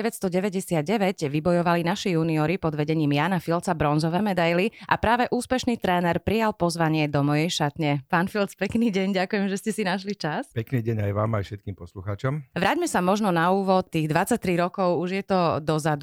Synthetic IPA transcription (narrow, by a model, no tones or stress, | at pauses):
ɛʋɛtst̪ɔɟɛʋɛɟɛsɪad̪̚ɟɛʋɛɟʋibɔjɔʋalinaʃijuːniɔɾipɔd̪ʋɛɟɛɲiːmjaːnafilt͡sabɾɔnzɔʋɛːmɛd̪ajliʔapɾaːʋɛʔuːspɛʃniːt̪ɾɛːnɛɾpɾijalˠpɔzʋaɲɪɛd̪ɔmɔjɛjʃat̪ɲɛpaːnfilt͡spɛkniːɟɛɲɟakujɛmʒɛscɛsinaʃlit͡ʃaspɛkniːɟɛɲajʋaːmajfʃɛt̪̚kiːmpɔsluxaːt͡ʃɔmʋɾaɟmɛsamɔʒnɔnauːʋɔt̪̚ːiːɣd̪ʋat͡sac̚t̪ɾiɾɔkɔʊuʒjɛt̪ɔd̪ɔzad̪u